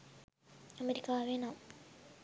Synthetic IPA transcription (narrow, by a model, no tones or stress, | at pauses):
ɐmeɾikːaaʋeːna